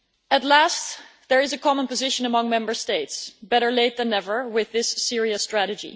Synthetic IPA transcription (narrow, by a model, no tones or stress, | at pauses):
ətˡlæst | ðəɹɨzɨkʰɑmə̃npəzɪʃə̃nəmʌ̃ŋmɛ̃mbə˞steɪtsb̥ɛɾə˞leɪt̪̚ðɨ̃nɛvə˞wɪðɪsːɪɹiɨstɹ̥æɾɨd͡ʒḭ